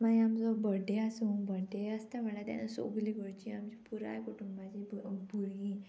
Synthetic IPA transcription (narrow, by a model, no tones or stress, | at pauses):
mad͡ʑiamt͡sɔbəɖeasuŋbəɖeəst̪aʋɛɭat̪ja̰naso̰ɡliɡəɭt͡ɕiamt͡ɕipuɾa̰jkuʈumbad͡ʑibbʱuɾĩ